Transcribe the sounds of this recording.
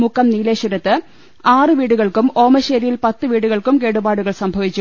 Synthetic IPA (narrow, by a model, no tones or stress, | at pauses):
mukːɐmniːleːɕuɾɐt̪ːɨ | aːrɨʋiːɽuɣɐɭkumo̞ːmɐɕeːɾijilpɐt̪ːɨʋiːɽuɣɐɭkumke̞ːɽubaːɽuɣɐɭsɐmbʱɐʋit͡ɕːu